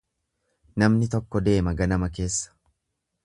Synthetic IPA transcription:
nɐmnɪt̪ɔkːɔd̪e̞ːmɐɡɐnɐmɐke̞ːsːɐ̥

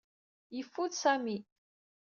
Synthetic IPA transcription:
jəfːuðsæmi

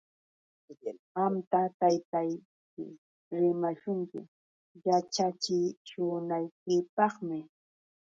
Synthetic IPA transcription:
amt̪at̪ajt̪aj | kɪ̰ | ɾɪmaʃʊŋkɪ̰ | jat͡ʃat͡ʃɪt͡ʃʊnajkɪpɑχmɪ

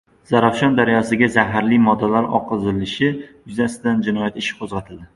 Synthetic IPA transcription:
z̥aɾafʃɒnd̪aɾjɒsɪɡʲazaɦaɾlimɒd̪ːalaɾɒ̰qʰɨzɪlɪʃɪjʊzasɪd̪and͡ʒɪnɒjat̪ɪʃɪ̥qʰozʁat̪ʰɪld̪ɪ

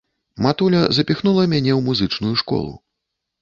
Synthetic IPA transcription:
mat̪ulʲɐzɐpʲixnulˠɐmʲanʲɛwmuzɨt͡ʂnujuʂkɔ̰lˠṵ

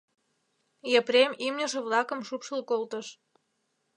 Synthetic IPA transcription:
jepɾemimnʲə̆ʃĕβlɑkə̆mʃupʃəlkolt̪əʃ

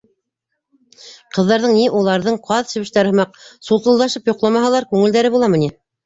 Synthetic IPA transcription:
qɤ̆ðːɑɾðɤɴniʔulˠɑɾðɤɴqʰɑðʃɘ̆βɘ̆ʃt̪æɾɘ̆mɑq̚sulˠt̪ɤ̆lˠd̪ɑʃɤpjŏqlˠɑmɑɦɑlˠɑɾkʉŋɘld̪æɾɘβulˠɑmɤ̆ni

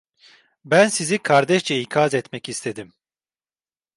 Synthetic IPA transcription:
bænsizikʰaɾd̪ɛʃt͡ʃɛikʰazɛt̪mɛcist̪ʰe̞d̪im

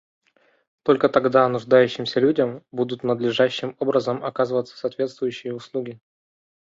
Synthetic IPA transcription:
t̪o̞lʲkət̪ɐɡd̪anʊʐd̪ajʉɕːɪmsʲəlʲudʲəmbud̪ʊt̪nəd̪lʲɪʐaɕːɪmo̞bɾəzəmɐkazɨvət̪sə̥saːt̪vʲe̞t̪st̪vʊjʉɕːɪjəʊslˠuɡʲɪ

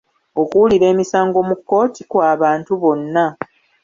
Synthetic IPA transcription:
okuliɾe̞ːmisaːŋɡo̞mukːo̞ːtikwaːβaːntuβo̞nːa

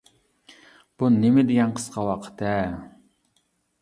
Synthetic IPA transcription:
b̥unɪmɪd̪ɪɡʲɛnqʰə̥sqʰɑwɑqʰə̥t̪ʰɛ

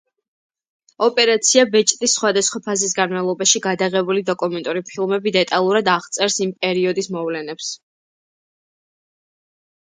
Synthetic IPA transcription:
ɔpʼɛɾat̪sʰiabɛt͡ʃʼt̪ʼisːχwad̪asχwapʰazis̬ɡanmavlˠɔbaʃiɡad̪aʁɛbulid̪ɔkʼumɛnt̪ʼuɾipʰilˠmɛbid̪ɛt̪ʼalˠuɾad̪aʁt̪sʼɛɾsimpʼɛɾiɔd̪ismɔvlɛnɛps

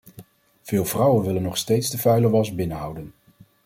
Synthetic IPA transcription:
v̥ɪːlˠvrʌwənʋɪlənːɔχstejtsdəvœɥləʋɑzbɪnəɦʌwdən

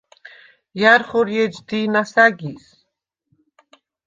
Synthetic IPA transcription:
jaɾχɔɾjɛd͡ʒd̪inasaɡis

